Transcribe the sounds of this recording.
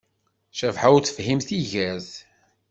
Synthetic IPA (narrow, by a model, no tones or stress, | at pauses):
ʃævħawt͡sə̥fhimθiʝæz